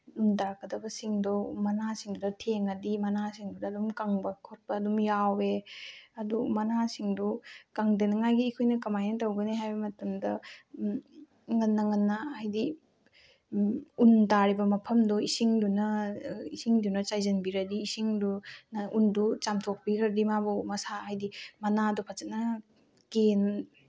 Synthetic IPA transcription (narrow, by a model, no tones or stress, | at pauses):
untaɾkʰɐdɐbɐsiŋdɔmɐnasiŋdudɐtʰeŋɐdimɐnasiŋdudɐːdumkaŋbɐkʰot̚bɐːdumjaweɐdumɐnasiŋdukaŋdenɐŋajɡiːkʰojnɐkɐmajnɐtɐwɡɐniɦajbɐmɐtɐmdɐ | ŋɐnːɐŋɐnːaajdi | untaɾibɐmɐpʰɐmdɔisiŋdunɐisiŋdunɐt͡ʃajzɐnbiɾɐdiːsiŋdunaʔundut͡ʃamtʰok̚pikʰɐɾdimabumɐsaajdimɐnadɔpʰat͡ʃɐnɐ | ken